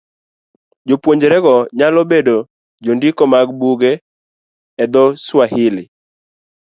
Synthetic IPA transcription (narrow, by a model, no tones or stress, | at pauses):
d͡ʒopwoɲd͡ʒeɾɛɡɔɲalɔbedo | d͡ʒondikɔmaɡbuɡe | ɛd̪ɔswahɪlɪ